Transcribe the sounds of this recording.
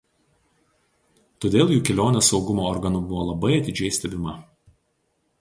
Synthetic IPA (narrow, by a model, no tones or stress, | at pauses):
t̪oːd̪ʲeːlˠjuːkʲɛlʲoːnʲesɒʊɡʊmoːɔɾɡɐnʊbʊʋoːlˠɐbɐɪɐt̪ʲɪd͡ʒʲɛɪsʲt̪ʲɛbʲɪmɐ